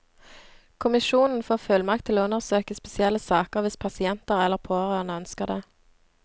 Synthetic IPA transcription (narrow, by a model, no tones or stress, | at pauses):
kʰʊmɪʃuːnn̩foːʁfœlmɑkt̪ʰɪloːʉnəʁsøːkəspɛsɪɛləsɑːkəʁʋɪspʰɑsɪɛnt̪əʁɛlːəʁpʰoːʁøːʁnəœnskəʁd̪eː